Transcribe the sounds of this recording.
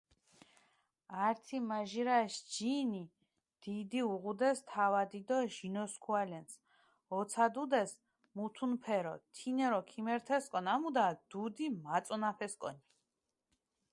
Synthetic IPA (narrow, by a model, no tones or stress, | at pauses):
aɾt̪ʰimaʒiɾaʃd͡ʒini | d̪̥id̪iuʁud̪ɛst̪ʰavad̪id̪ɔʒinɔskʰualɛns | ɔt̪sʰad̪ud̪ɛs | mut̪ʰunpʰɛɾɔ̰t̪ʰinɛɾɔkʰimɛɾt̪ʰɛskʼɔnamud̪ad̪̥ud̪imat̪sʼɔnapʰɛskʼɔ̰ni